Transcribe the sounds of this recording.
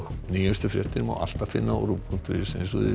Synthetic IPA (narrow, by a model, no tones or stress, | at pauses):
niːjʏst̪ʏfɾjɛht̪ɪɾma̰wʔa̰l̥t̪afɪnːa̰ɾuppʰuŋt̪ʏɾɪsɛsṵðɪ̰